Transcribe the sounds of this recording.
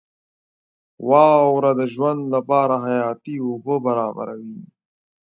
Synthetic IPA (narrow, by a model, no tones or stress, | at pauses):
waːwɾad̪əʒwɐnd̪lɐpaːɾaɦɐjaːt̪iubobɐɾaːbɐ̰ɾɐ̰wiː